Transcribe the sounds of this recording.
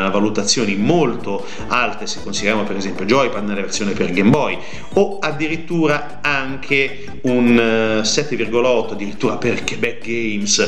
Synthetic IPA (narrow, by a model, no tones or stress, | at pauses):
avalut̪at̪sːjoːnimolt̪o | alt̪ese̥kːonsid̪eɾjaːmopeɾezɛmpjod͡ʒɔjpanelaversjoːneperɡembɔj | oad̪ːiɾit̪ːuːɾa | aŋkʰe | unsɛt̪ːevirɡolaɔt̪ːoad̪ːiɾit̪ːuːɾaperkebɛk̚ɡejms